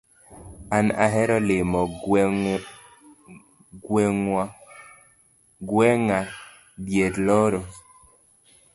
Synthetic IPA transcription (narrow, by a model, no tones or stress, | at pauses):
ana̰ɦɛɾɔlemɔ | ɡwɛŋ | ɡwɛŋa | bjetlɔɾɔ